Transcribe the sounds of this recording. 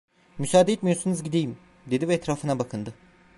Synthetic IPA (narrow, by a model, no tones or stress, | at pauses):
mysaːd̪eet̪mijoɾsunɯzɟid̪ejim | d̪e̞d̪ivɛɛt̪ɾaːfɯnabakʰɯnd̪ɯ